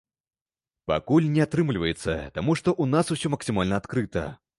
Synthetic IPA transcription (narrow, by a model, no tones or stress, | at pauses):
pa̰kulʲnʲɛat̪ɾɨmlʲivɐjɛt̪sːɐt̪amuʂt̪ɔʔunasusʲɔmɐksʲɨmalʲnɐːt̪kɾɨt̪ɐ̰